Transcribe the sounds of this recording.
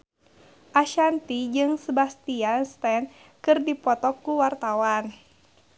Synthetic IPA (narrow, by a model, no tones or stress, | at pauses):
ʔaʃant̪id͡ʒɨŋsəbast̪ianst̪ɛn | kɨrdipɔt̪ɔkuwart̪awan